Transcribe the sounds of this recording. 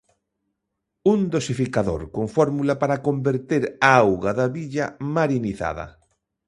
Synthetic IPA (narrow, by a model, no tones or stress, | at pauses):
und̪osifikaðo̰ɾkoŋfɔɾmulapaɾakombeɾt̪eɾaawɣaðaβiʎamaɾiniθa̰ð̞ɐ̰